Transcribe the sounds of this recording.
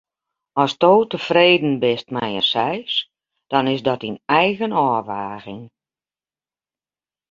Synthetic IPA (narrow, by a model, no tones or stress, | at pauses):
ɔstoːtəfreːdən̩bɪstmɛjəsɛjs | d̥ɔnɪsdɔtinɛjɣənɔːʋaːɣɪŋ